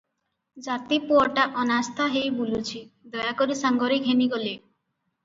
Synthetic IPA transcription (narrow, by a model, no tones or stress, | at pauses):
d͡ʒat̪ipoɔʈaʔɔnast̪ʰaɦejbulut͡ʃʰid̪ɔjakoɾisaŋɡɔɾekɦeniɡole